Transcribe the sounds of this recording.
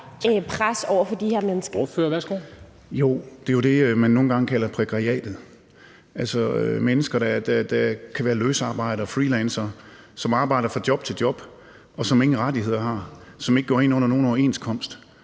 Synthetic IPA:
pʰʁasɒʊ̰ɐfɒ̽d̥ihæɐ̰menəsɡ̥ɐføsɡ̥ | jo̝̰ːd̥e̝jo̝d̥e̝ømænːo̝ːn̩ɡɑ̈ŋkʰælɐpʰʁeɡ̥ʁɑiɛ̰ːd̥ð̩ˠ | ʔælsɒømenəsɡ̥ɐd̥æd̥æd̥ækʰæʋæːɐløːsɑ̈ːb̥ɑ̈ɪ̰ɾɐɒfʁiːlɛnsɐ | sɒ̽mɑ̈ːb̥ɑ̈ɪ̰ɾɐfɑ̈d̥jɒ̽b̥̚t͡sʰe̝ld̥jɒ̽b̥ | ɒ̽sɒ̽me̝ŋn̩ʁadiɦe̝ð̞̰ˠɐɦɑ̈sɒ̽meɡ̥ɡɒ̰ɐe̝nɔ̽n̰ɐno̝ːn̩ɒe̝̰nskʰɒ̽m̰sd̥

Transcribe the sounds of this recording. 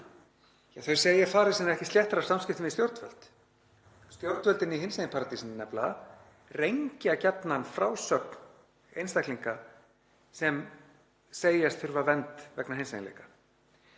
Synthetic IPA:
jɛɣθœɥseːjafaːɾɪ̥sɪnːɾɛhcɪst̪l̥jɛht̪aɾasamscɪft̪ɪmɪst̪jowɾt̪vœ̰l̥t̪ | st̪jowɾt̪vœlt̪ɪnːiɦeɪnseːj̪pʰaɾat̪isɪnnɛpla̰ | rejɲcɪacɛt̪nanfɾaːwsœkn | ejnst̪akliŋka | sɛm | seːjast̪θʏɾvavɛnt̪vɛknahejnsa̰jnlḛjkḁ

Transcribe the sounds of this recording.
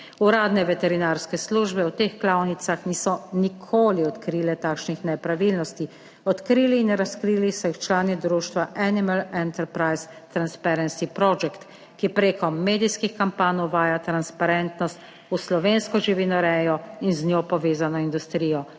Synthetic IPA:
uɾaːd̪nɛʋɛt̪ɛɾinaːɾskɛsluːʒbɛut̪eːxklaːwnit̪saxniːsɔnikʰoːliɔt̪kɾiːlɛt̪aːkʃnixnɛpɾaʋiːlnɔst̪i | ɔt̪kɾiːliːnɾaskɾiːlisɔjixt͡ʃlaːnid̪ɾuːʃt̪ʋaʔanimalɛnt̪ɛɾpɾajs | t̪ɾanspɛɾɛnsipɾɔd͡ʒɛkt̪ | kipɾeːkɔmːeːd̪iskixkampaːnɔwʋaːjat̪ɾanspaɾɛnt̪nɔst̪ | uslɔʋeːnskɔʒiʋinɔɾɛːjɔinznʲjoːpɔʋeːzanɔind̪ust̪ɾiːjɔ

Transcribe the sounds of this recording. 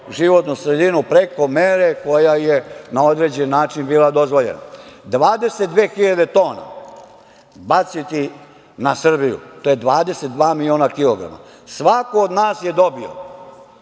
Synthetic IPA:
ʒiʋo̞t̪nusɾe̞d̪inupɾe̞ko̞meːɾe̞ko̞jajenao̞d̪ɾe̞d͡ʑenːaːt͡ʃinbiːlˠad̪o̞zʋo̞ʎḛna̰d̪ʋaːd̪e̞set̪̚d̪ʋeːxiʎad̪e̞t̪o̞ːna̰ | bat̪sit̪i | nasr̩bijṵt̪ojed̪ʋaːd̪e̞set̪̚d̪ʋaːmilʲio̞ːnakilo̞ɡɾa̰ma̰ | sʋakood̪naːsje̞d̪o̞bio̰

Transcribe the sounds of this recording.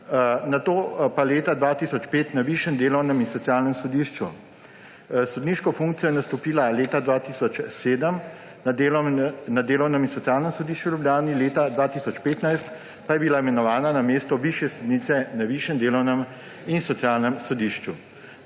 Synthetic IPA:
nat̪oːpaleːt̪ad̪ʋaːt̪isɔt͡ʃpeːt̪naʋiːʃjɛnd̪eːlɔwnɛminsɔt̪sijaːlnɛmsɔd̪iːʃt͡ʃṵ | sɔd̪niʃkɔfũŋk̚t̪sijɔjɛnast̪ɔpiːlaleːt̪ad̪ʋaːt̪iːsɔt͡ʃseːd̪əm | nad̪eːlɔwnɛminsɔt̪sijaːlnɛmsɔd̪iːʃt͡ʃuwlublʲjaːnileːt̪ad̪ʋaːt̪isɔt͡ʃpeːt̪najst̪ | pajɛbilaɛmɛnɔʋaːnanameːst̪ɔʋiːʃjɛsɔd̪niːt̪sɛnaʋiːʃjɛnd̪eːlɔwnɛm | insɔt̪sjaːlnɛmsɔd̪iːʃt͡ʃu

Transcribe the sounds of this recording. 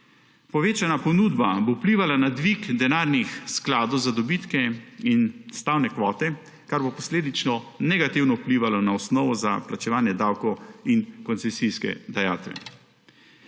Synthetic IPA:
pɔʋeːt͡ʃanapɔnud̪babowpliːʋalanad̪ʋikd̪ɛnaːɾnixsklaːd̪ɔwzad̪ɔbit̪kɛinst̪awnɛkʋɔːt̪ɛ | kaɾbopɔsleːd̪it͡ʃnɔnɛɡat̪iwnɔupliːʋalɔnaɔsnɔːʋɔza̰plat͡ʃɛʋaːnjɛd̪aːwkɔwinkɔnsɛsiskɛ̰d̪aja̰ːt̪ʋɛ̰

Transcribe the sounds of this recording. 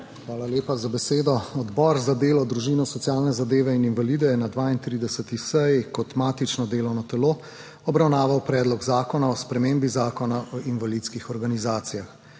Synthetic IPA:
xʋaːlaljeːpazabɛseːd̪ɔɔd̪bɔɾzad̪eːlɔd̪ɾuʒiːnɔsɔt̪sijaːlnɛzad̪eːʋɛininvalid̪ɛjɛnad̪ʋaːint̪ɾiːd̪ɛsɛt̪isɛjkɔt̪maːt̪it͡ʃnɔd̪eːlɔwnɔt̪ɛloː | ɔbɾawnaːʋawpɾɛːd̪lɔɡzaːkɔnaɔspɾɛmeːmbizaːkɔnaʔɔʔinvaliːt̪skixɔɾɡanizaːt̪sijax

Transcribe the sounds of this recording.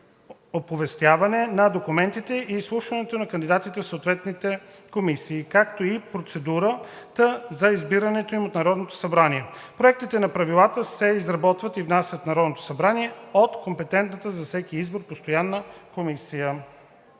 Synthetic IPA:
opovɛst̪ʲjavɐnɛnɐd̪okumɛnt̪it̪ɛʔislˠuʃvɐnɛt̪onɐkɐnd̪id̪at̪it̪ɛfsoːt̪vɛt̪nit̪ɛ | komisiːkakt̪oipɾot̪sɛd̪uɾət̪əzɐizbiɾənɛt̪oimot̪nɐɾɔd̪not̪o̥sɐbɾaniɛpɾoɛk̚t̪it̪ɛnɐpɾɐvilˠat̪əsɛizɾɐbɔt̪vət̪ivnasʲjət̪nɐɾɔd̪not̪o̥sɐbɾaniɛot̪kompɛt̪ɛnt̪nət̪əzɐfsɛkiizboɾpost̪ojanːəkomisijə

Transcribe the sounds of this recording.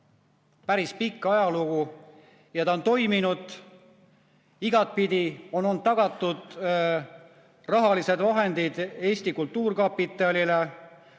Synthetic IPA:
pæɾispikˑːɑjɑluɡ̥u | jɑt̪ɑont̪o̞jminud̪̥ | iɡ̥ɑt̪̚pid̪io̞no̞nd̪̚t̪ɑɡ̥ɑt̪ːˑud̪̥ | rɑɦɑlise̞d̪vɑɦe̞nd̪̥id̪̥e̞ːsʲt̪ikult̪ːˑuːrkɑpit̪ːˑɑlʲile

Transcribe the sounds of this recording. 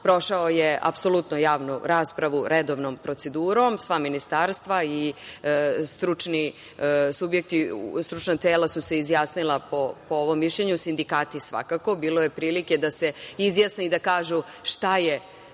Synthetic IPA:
pɾo̞ʃaojeʔa̰pso̞lˠut̪nojaːʋnuɾaːspɾaʋuɾed̪o̞ːʋnompɾo̞t̪se̞d̪uːɾomsʋaminist̪aːɾst̪ʋai | st̪ɾut͡ʂni | subjek̚t̪ist̪ɾut͡ʃnat̪eːlasuse̞izjaːsnilˠapopooʋo̞mːiʃʎeɲusind̪ikaːt̪isʋa̰kako̞biːlo̞je̞pɾiːlike̞d̪ase̞izjasneid̪akaːʒu | ʃt̪aje

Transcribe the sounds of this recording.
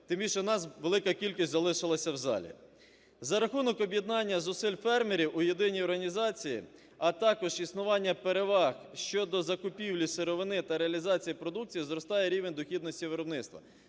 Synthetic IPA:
t̪ɪmbʲiʃɛnɑsʋelˠɪkɐkʲilʲkʲisʲtʲzɐlˠɪʃɪlˠɐsʲɐwzɑ̰lʲḭ | zɐɾɐxunɔkɔbʲjed̪nɑnʲːɐzʊsɪlʲfɛrmeɾʲiwʔʊjed̪ɪnʲijɔrɦɐnʲizɑt͡sʲijḭ | ɐt̪ɑkɔʒisnʊʋɑnʲːɐpeɾeʋɑxʃt͡ʃɔd̪ɔzɐkʊpʲiwlʲiseɾɔʋɪnɪt̪ɐɾeɐlʲizɑt͡sʲijipɾɔd̪uk̚t͡sʲijizɾɔst̪ɑjeɾʲiʋenʲd̪ɔxʲid̪nɔsʲtʲiʋeɾɔbnɪt̪st̪ʋɐ̰

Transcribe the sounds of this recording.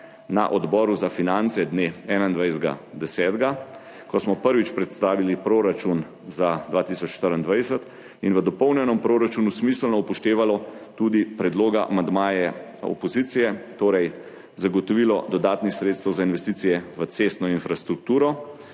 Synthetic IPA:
na̰ʔɔd̪bɔːɾuzafinant̪sɛd̪neɛnaind̪ʋajzɡa̰d̪ɛsɛːd̪ɡa | kɔsmɔpəɾʋit͡ʃpɾɛt̪st̪aːʋilipɾoɾat͡ʃun | zad̪ʋaːt̪isɔt͡ʃːʃt̪əɾənd̪ʋajsət̪ | inʋəd̪ɔpəwnjɛnɔmpɾoɾat͡ʃuːnusmislnɔupɔʃt̪eːʋalɔt̪ud̪ipɾɛd̪loːɡaʔa̰mand̪maːjɛɔ̰pɔziːt̪sijɛt̪oːɾɛj | zaɡɔt̪ɔʋilɔd̪ɔd̪aːt̪nixsɾeːt̪st̪ɛwzainʋɛst̪iːt̪sijɛʋət̪sest̪nɔinfɾast̪ɾuk̚t̪uːɾɔ

